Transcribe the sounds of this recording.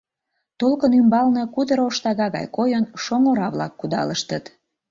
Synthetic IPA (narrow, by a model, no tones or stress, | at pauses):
t̪olkənymbɑlnɤkud̪əɾoʃt̪ɑɣɑɣɑ̰jkojənʃoŋoɾɑβlɑkːud̪ɑ̰ləʃt̪ət̪